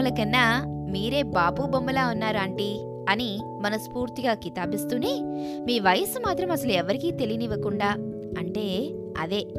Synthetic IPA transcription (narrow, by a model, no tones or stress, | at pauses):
ɐlɐkɐnːamiːɾe̞ːbaːpuːbɐmbɐlaːunːaːɾɐɳʈi | ɐni | mɐnɐmspuːɾt̪iɡaːkit̪aːpist̪uneːmiːʋɐjɐsumaːt̪ɾɐmɐsɐluɛʋɐɾikiːt̪e̞lijɐniʋɐkuɳɖaː | ɐɳʈe̞ː | ɐ̰d̪e̞ː